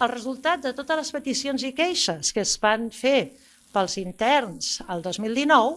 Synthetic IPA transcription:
əlˠrəzulˠt̪at̪̚d̪ət̪ot̪əzləspət̪isionzikɛjʃəskəzβanfe | pəlˠzint̪ɛrnz̥əlˠd̪ozmilˠd̪inɔw

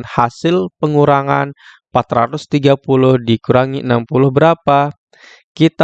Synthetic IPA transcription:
nhasɪlpəŋuɾaŋa̰n | mpat̪ɾa̰t̪ʊst̪iɡapulʊhdikuɾaŋiənampulʊhbəɾapa | kit̪a

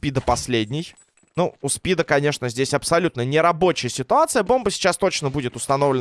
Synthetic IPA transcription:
pʲid̪əpɐsʲlʲedʲnʲɪj | nuʊspʲid̪əkɐnʲe̞ʂnəzʲdʲesʲɐpsɐlʲut̪nənʲɪɾɐbo̞t͡ɕɪjəsʲɪt̪ʊat̪sɨjəbo̞mbəsʲɪ̥t͡ɕast̪o̞t͡ɕnəbudʲɪt̪ʊ̥st̪ɐno̞vlʲɪ

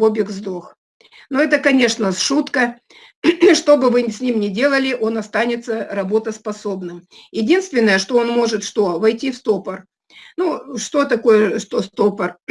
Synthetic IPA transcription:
obʲɪkzd̪ox | noɛt̪əkɐnʲe̞ʂnəsʂut̪kə | ʂt̪o̞bɨvɨsʲnʲimnʲɪdʲe̞lˠəlʲɪʔo̞nɐst̪anʲɪt̪səɾɐbo̞t̪əspɐso̞bnɨmjɪdʲinst̪vʲɪnːəjəʂt̪o̞o̞nmo̞ʐɨt̪ʂt̪o̞vɐjtʲifst̪opər | nuʂt̪o̞t̪ɐko̞jəʂt̪ost̪opər

